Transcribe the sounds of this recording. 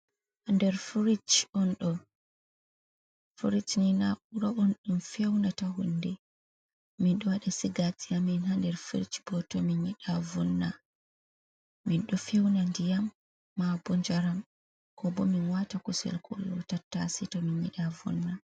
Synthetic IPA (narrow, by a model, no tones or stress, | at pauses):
handɛɾfuɾit͡ʃɔnɗɔ | fuɾit͡ʃninauɾaʔɔnɗumfɛwnataɦunːdɛ | minɗɔwaɗɛsiɡatijaminhandɛɾfuɾit͡ʃbɔtɔminiɗavɔnːa | minɗɔfɛwnandijamː | abɔɲd͡ʒaɾam | kɔbɔminwatakusɛ̰lkʰɔ̰lːɔ̰tatːasitɔminḭɗavɔ̰nːa